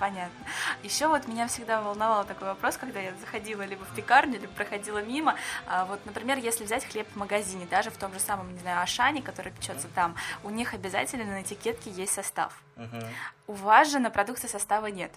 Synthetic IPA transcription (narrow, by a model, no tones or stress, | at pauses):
pɐnʲat̪̚nəjɪɕːo̞vo̞t̪mʲɪnʲafsʲɪɡd̪avəlˠnɐvalˠt̪ɐko̞jvɐpɾo̞skɐɡd̪ajazəxɐdʲilˠəlʲibəfpʲɪkarnʲʊlibəpɾəxɐdʲilˠəmʲiməavo̞t̪nəpɾʲɪmʲe̞rjesʲlʲɪvzʲætʲxlʲe̞pvməɡɐzʲinʲɪd̪aʐɨft̪o̞mʐɨsaməmnʲɪznajʊɐʂanʲɪkɐt̪o̞ɾəɨjəpʲɪ̥t͡ɕo̞t̪sət̪amʊnʲixɐbʲɪza̰tʲɪlʲnnəɪtʲɪkʲe̞t̪̚kʲɪjesʲtʲsɐst̪a̰f | ʊvasʐɨnəpɾɐd̪ukt̪sɨsɐst̪avənʲe̞t̪